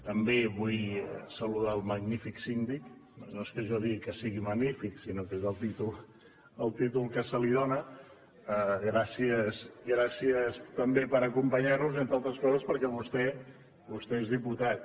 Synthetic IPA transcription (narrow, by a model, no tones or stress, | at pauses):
t̪əmbeβuj̰səluð̞aəlˠməɣnifiksind̪iknoeskəʒɔðikəsiɣiməɡnifiksinokezəlˠt̪it̪ulˠ | əlˠt̪it̪ulˠkəsəliðonə | əɣɾasiəsɣɾasiəst̪əmbepəɾəkumpəɲaɾnuzent̪ɾalˠt̪ɾəskɔzəspəɾkɛβust̪ɛ | βust̪ɛezðiput̪at̪̚